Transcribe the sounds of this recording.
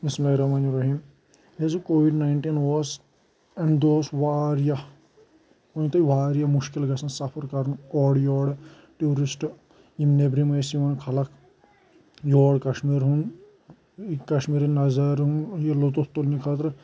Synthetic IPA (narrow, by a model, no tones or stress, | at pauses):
mismɐjɾɐmanuɾɐɦim | ezukoːʋiɖnaɪɳʈinʋoːs | ɐɳɖd̪oːsʋaːɾja | oĩt̪ɐʋaːɾjamuʃkilɡɐsɐnsɐpʰɐɾkɐɾnɔːɽjɔːɽ | ʈuːɾisʈ | imnebɾimɐjsiʋɐnkʰɐlɐk | joːɽkɐʃmiːɾɦun | kɐʃmiːɾinɐzɐɾɦũnjelot̪ot̪ːolnikʰaːt̪ɾ